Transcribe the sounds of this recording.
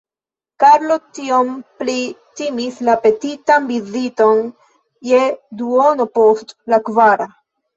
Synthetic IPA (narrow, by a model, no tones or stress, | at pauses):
kaɾlotiomplitimislape̞titanbizito̞n | jeduono̞postlakvaɾa